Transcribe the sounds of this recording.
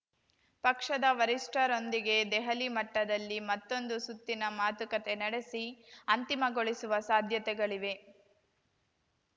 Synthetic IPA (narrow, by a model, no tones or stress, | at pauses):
pɐkʂɐd̪ɐʋɐɾisʈɐɾo̞nd̪iɡe̞d̪ɛɦɐlimɐʈːɐd̪ɐlːimɐt̪ːo̞nd̪usut̪ːinɐmaːt̪ukɐt̪enɐɽe̞siɐnt̪imɐɡoɭisuʋɐsaːd̪ʱjɐt̪ɛɡɐɭiʋe̞